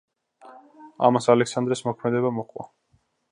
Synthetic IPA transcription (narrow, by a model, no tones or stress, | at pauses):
a̰masalɛksand̪ɾɛsmɔkʰmɛd̪ɛbamɔqʼwa̰